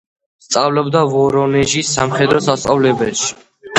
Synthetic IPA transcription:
st̪sʼavlɛbd̪avɔɾɔnɛʒisamχɛd̪ɾɔsast̪sʼavlɛbɛʃi̥

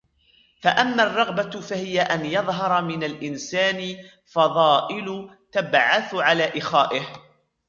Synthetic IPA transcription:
faʔamːaːrˤːɑɣbafahɪjaʔanjɑðˤɦɑɾˤɑmɪnalʔɪnsaːnɪ | fɑðˤɑːʔɪlʊ | t̪abʕaθʕalaːʔɪxaːʔɪh

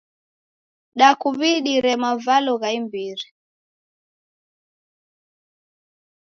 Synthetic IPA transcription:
ɗakuβiɗiɾɛmavalɔɣaimbiɾi

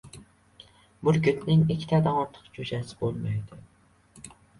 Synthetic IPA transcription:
bulɡʲyt̪nɪŋikʲʰi̥t̪ʰɛd̪ɛŋoɾt̪ʰə̥qd͡ʒud͡ʒɛsɪ̥bolˠmɑjd̪ʊ

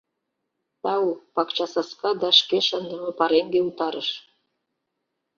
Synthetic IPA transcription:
t̪ɑwupɑkt͡ɕɑsɑskɑd̪ɑʃkeʃənd̪ə̆mɤ̆pɑɾeŋɡeut̪ɑɾəʃ

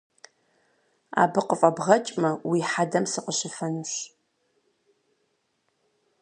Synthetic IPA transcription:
a̰ːbɨqəfʼɐbʁɐt͡ʃʼmɐwiħadɐmsɨqəɕɪfɐnuɕ

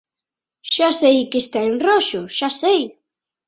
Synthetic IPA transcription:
ʃasejkest̪aenroʃʊʃasej

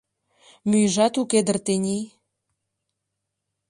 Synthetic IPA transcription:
myjʒɑt̪uked̪ə̆rt̪enʲij

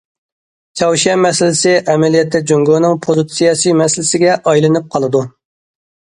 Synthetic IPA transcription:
t͡ʃʲʰɑwʃɛmɛsɪlɪsɪʔɛmɛlijɛt̪ʰːɛd͡ʒoŋɡonɨŋpʰozɨt̪sijɑsɨmɛslɪsɪɡʲɛʔɑjlˠɨnɨp̚qʰɑlˠɨd̪u

